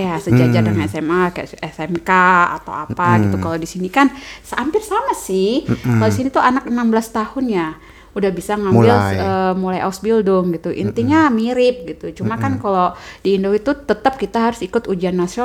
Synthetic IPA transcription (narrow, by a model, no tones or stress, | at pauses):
jasəd͡ʒad͡ʒadəŋanɛsɛmakɛsɛmkaa̰t̪a̰wapaɡit̪ukaladisinikansəampɪrsamasɪhkaloisinit̪uanaknambəlast̪ahʊnja | udahbisaŋambɪləmulajʔasbildʊŋɡit̪uʔḭnt̪iɲamiɾɪp̚ɡit̪ut͡ʃumakankalodiːndoit̪ut̪ət̪ap̚kit̪aɦaɾʊsikʊt̪ud͡ʒianːasio